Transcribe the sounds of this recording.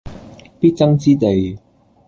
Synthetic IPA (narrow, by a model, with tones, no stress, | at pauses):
piː˥t̚t͡sɐ˥ŋt͡siː˥t̪e˨j